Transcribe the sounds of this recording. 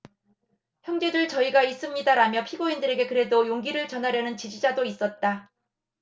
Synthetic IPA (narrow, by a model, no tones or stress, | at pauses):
çjʌŋd͡ʑe̞duɭt͡ɕʌiɡais͈ɯmɲidaɾamjʌpʰiɡoindɯɾe̞ɡe̞kɯɾe̞dojoŋɡiɾɯɭt͡ɕʌnɦaɾjʌnɯnt͡ɕid͡ʑid͡ʑadois͈ʌt̚t͈a